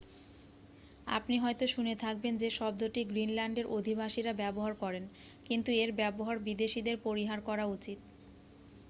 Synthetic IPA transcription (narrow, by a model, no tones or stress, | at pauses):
a̰pniɦɔjt̪oʃunet̪ʰak̚bend͡ʑeʃɔb̚d̪oʈiɡɾinlaɳɖeɾʔod̪ʱibaʃiɾabɛboɦaɾkɔɾen | kint̪ueɾbɛboɦaɾbid̪eʃid̪eɾpoɾiɦaɾkɔɾaut͡ɕit̪̚